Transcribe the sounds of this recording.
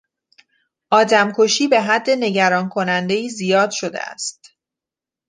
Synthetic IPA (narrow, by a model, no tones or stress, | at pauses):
ʔɒːd̪æmkʰoʃiːbe̞ɦæd̪ːe̞ne̞ɟæɾɒːnkʰo̞nænd̪e̞jiːzijɒːd̪ʃo̞d̪ḛæ̰st̪